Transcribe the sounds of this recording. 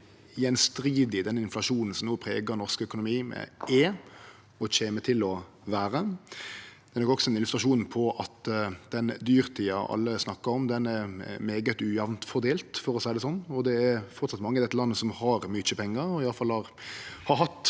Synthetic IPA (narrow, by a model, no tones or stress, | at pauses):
jɛnst̪ɾiːd̪ɪd̪ɛnɪnflɑʂuːnn̩sɔmnoːpʰʁḛːɡəɾnɔʁskœkʊnʊmiːmɛ̰eː | ɔt͡ʃeːmət̪ʰɪlɔ | ʋæːɾə | d̪ɛɛnɔkːɔksɔɛnɪlʉst̪ɾɑʂuːn̩pʰɔʔɑt̪d̪ɛnd̪yːɾt̪ʰiːɑ̰ʔɑ̰lːəsnɑkːəɾɔmd̪ɛnɛɾmeːɡət̪ʉjɑʋnt̪fɔɾd̪eːlt̪fɔɾɔsæɪd̪ɛsɔnːɔd̪ɛæɾfɔɾt̪sɑt̪mɑŋːəd̪ɛt̪ːəlɑnːəsɔmhɑɾmyt͡ʃəpʰɛŋːəɾɔɪɑləfɑlhɑɾhɑɾɦɑt̪ː